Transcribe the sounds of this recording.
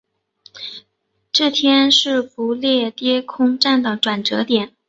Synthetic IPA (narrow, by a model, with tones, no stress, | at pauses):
ʈ͡ʂɤ˥˩t̪ʰjɛ˥nʂɻ̩˥˩pu˧˥ljɛ˥˩t̪jɛ˥kʰʊ˥ŋʈ͡ʂa˥˩nd̪ə˩ʈ͡ʂwa˨˩nʈ͡ʂɤ˧˥t̪jɛ˨˩˦n